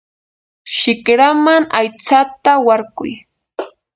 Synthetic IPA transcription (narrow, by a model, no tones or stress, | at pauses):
ʃɪkɾamaŋajt͡sat̪awaɾkʊ̰j